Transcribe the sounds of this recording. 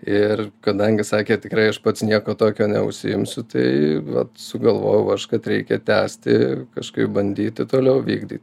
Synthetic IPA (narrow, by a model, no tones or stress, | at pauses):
ɪrkɐd̪ɐŋʲɡʲɪsɑːkʲeːt̪ʲɪkɾɐɪɐʃpɐt̪snʲiɛkoːt̪oːkʲoːnʲɛ̰ʊ̰ʃʲsʲɪɪmʲsʲʊt̪ɐɪʋɐ̰t̪sʊɡɐlˠʋo̰ːjɛʊɐʃkɐt̪ɾʲɛɪkʲɛt̪ʲæːsʲt̪ʲɪ̰kɐʃkɐɪp̚bɐnʲd̪ʲiːt̪ʲɪt̪oːlʲɛʊʋʲḭːɡd̪ʲḭːt̪ʲ